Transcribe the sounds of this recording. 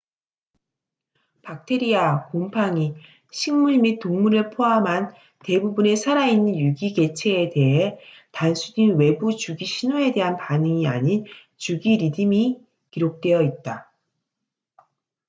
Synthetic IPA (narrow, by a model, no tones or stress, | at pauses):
pak̚tʰe̞ɾiakompʰaŋi | ɕʰiŋmuɭmit̚t͈oŋmuɾɯɭpʰoɦamɦan | te̞bubune̞sʰaɾainːɯnjuɡiɡe̞t͡ɕʰe̞ːde̞ɦe̞ | tansʰudinwe̞but͡ɕuɡiɕʰinoe̞de̞ɦanpanɯŋiaɲin | t͡ɕuɡiɾidɯmi | kiɾok̚t͈we̞jʌit̚t͈a